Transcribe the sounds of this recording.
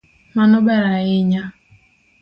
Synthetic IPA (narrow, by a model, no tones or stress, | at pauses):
manɔbɛɾaɪɲa